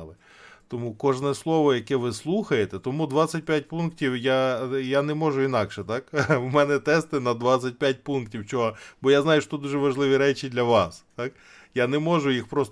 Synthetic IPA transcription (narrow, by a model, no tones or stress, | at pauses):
lˠɪ | t̪ɔmukɔʒnɛslˠɔʋɔjɐkɛʋɪslˠuxɐjet̪ɛt̪ɔmud̪ʋɑt͡sʲɐt̚ʲpʲjat̚ʲpunktʲiwjajanɛmɔʒʊinɑkʃɛt̪ɑkwmɛnɛt̪ɛst̪ɪnɐd̪ʋɑtt͡ssʲɐt̚ʲpʲjat̚ʲpunktʲiwt͡ʃɔɦɔbɔjaznɑjʊʃɔt̪ud̪uʒɛʋɐʒlˠɪʋʲiɾɛt͡ʃid̪lʲɐʋɑst̪ɑk | janɛmɔʒʊjixpɾɔst̪